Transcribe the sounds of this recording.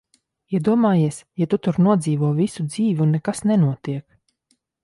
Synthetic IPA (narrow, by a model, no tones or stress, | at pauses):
jaɛd̪uɔmaːjiɛsjat̪ut̪uɾnuɔd̪ziːvuɔvisud̪z̥iːvʲunːɛkasnɛnuɔt̪iɛk